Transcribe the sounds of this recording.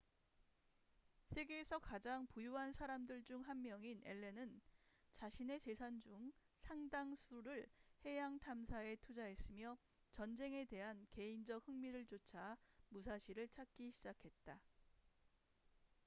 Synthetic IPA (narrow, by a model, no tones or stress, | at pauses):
sʰe̞ɡe̞ːsʰʌkad͡ʑaŋpujuɦansʰaɾamdɯɭd͡ʑuŋɦanmjʌŋine̞̰ɭːe̞nɯnt͡ɕaɕʰine̞t͡ɕe̞sʰand͡ʑuŋ | sʰaŋdaŋsʰuɾɯɭhe̞jaŋtʰamsʰae̞tʰud͡ʑaɦe̞s͈ɯmjʌ | t͡ɕʌnd͡ʑe̞ŋe̞te̞ɦanke̞ind͡ʑʌk̚hɯŋmiɾɯɭt͡ɕot͡ɕʰamusʰaɕʰiɾɯɭt͡ɕʰak̚k͈iɕʰid͡ʑakʰe̞t̚t͈a